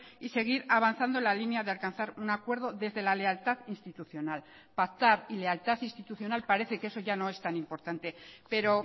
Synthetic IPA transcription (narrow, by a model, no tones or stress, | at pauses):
ise̞ɣ̞iɾaβanθand̪o̞lalinjaðealkanθaɾunakwe̞ɾð̞o̞ðe̞zðe̞lale̞alt̪aθinst̪it̪uθjo̞nal | pakt̪aɾilealt̪aθinst̪it̪uθjo̞nalpaɾe̞θe̞kee̞so̞ʝano̞e̞st̪anĩmpo̞ɾt̪ant̪e̞pe̞ɾo̞